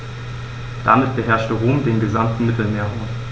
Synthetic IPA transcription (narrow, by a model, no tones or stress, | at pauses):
d̥a̰mɪt̚b̥əɦɛɐʃtəʁoːmdeːnɡəzamtn̩mɪtl̩meːɐɦaʊm